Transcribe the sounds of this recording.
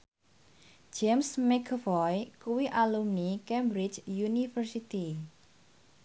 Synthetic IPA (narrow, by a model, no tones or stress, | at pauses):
d͡ʒemsmɛkʰvɔjkuwiʔalumnikɛmbɾid͡ʒjunifərsit̪i